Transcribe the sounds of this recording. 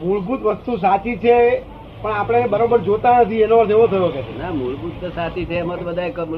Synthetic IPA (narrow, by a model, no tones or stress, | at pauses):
muɭɡut̪ʋəst̪us̬at͡ʃit͡ʃʰe | pəɳapəɽ̃ebəɾobəɾd͡ʒot̪anət̪ʰienoəɾt̪eʋot̪ʰəjoket͡ʃʰenamuɭɡut̪t̪osat͡ʃit͡ʃʰeəmət̪bəd̪ʱaekəm